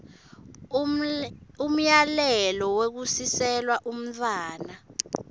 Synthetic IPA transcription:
um̩jalɛlɔwek̬usisɛlwaʔum̩t̪ʰʼwaːna

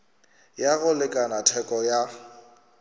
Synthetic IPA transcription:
jaɣʊlɪkʼanatʰɛkʼɔja

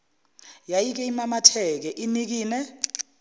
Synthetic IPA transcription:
jajik̬ɛimamatʰɛk̬ɛʔinik̬iːnɛ

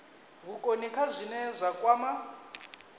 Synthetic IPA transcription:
ɣukʼonikʰazʷinɛzʷakʼwaːma

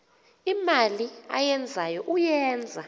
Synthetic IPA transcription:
imalia̰jɛnd͡zʱajɔʔujɛːnd͡zʱa

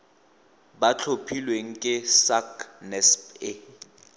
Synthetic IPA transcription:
bat͡ɬʰopʰilweŋ̩kʼɪsaknɛspɪ

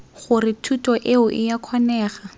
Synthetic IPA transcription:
χʊrɪtʰutʼɔʔeʊʔɪjakʰwanɛːχa

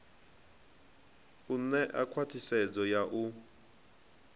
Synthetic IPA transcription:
unɛʔa̰kʰwatʰisɛd͡zɔjaʔu

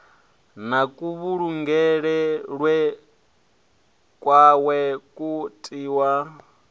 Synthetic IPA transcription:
nakʼuβuɺuŋɡɛɺɛɺwɛ | kʼwawɛkʼutʼiːwa

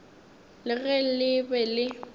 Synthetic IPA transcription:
lɪɣɛl̩lɪbɛlɪ

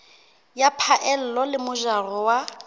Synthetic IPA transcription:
japʰaʔɛl̩lɔlɪmʊʒarɔwa

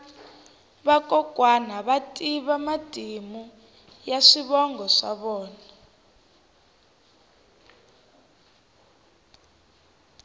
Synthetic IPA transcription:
βakʼɔkʼwanaβatʼiβamad̥ʱimu | jaʂiβɔŋɡʱɔʂa̰βɔːnaa

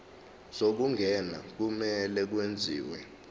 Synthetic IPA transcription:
sok̬uŋɡʱɛna̰k̬umɛlɛk̬wend͡zʱḭːwɛ̰

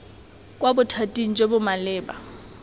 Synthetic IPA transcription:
kʼwabʊtʰatʼiŋ̩d͡ʒebʊmalɪːba̰

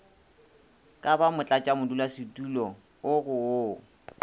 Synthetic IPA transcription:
kʼabamʊt͡ɬʼat͡ʃʼamʊdulasɪtʼulɔ | ʊɣʊoː

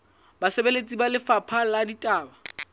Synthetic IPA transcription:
basɛbelet͡sʼibalɪfapʰaladitʼaːba

